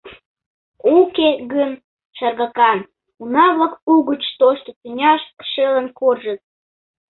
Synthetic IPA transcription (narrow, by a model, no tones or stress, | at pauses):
ukeɣən | ʃɑrɣɑkɑn | unɑβlɑkuɣət͡ɕt̪oʃt̪ot͡s̪inʲɑʃʃelənkorʒət̪̚